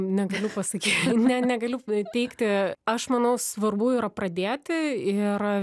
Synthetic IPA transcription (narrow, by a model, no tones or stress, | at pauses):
nʲɛɡɐlʲʊpɐsɐkʲiːt̪nʲɛnʲɛɡɐlʲʊt̪ʲɛɪkt̪ʲɪɐʃmɐnɐʊsʋɐrbʊɪɾɐprɐd̪ʲeːt̪ʲɪɪr